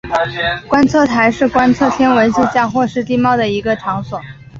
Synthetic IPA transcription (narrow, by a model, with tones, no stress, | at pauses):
kwa˥nt͡sʰɤ˥˩t̪ʰa˧˥ɪʂɻ̩˥˩kwa˥nt͡sʰɤ˥˩t̪ʰjɛ˥nwə˧˥nɕi˥˧t͡ɕjɑ˥˧ŋxwɔ˥˧ʂɻ̩˥˧t̪i˥˧mɑ˥˩ʊd̪ə˩i˧˥ɡə˧ʈ͡ʂʰɑ˧˥ŋswɔ˨˩˦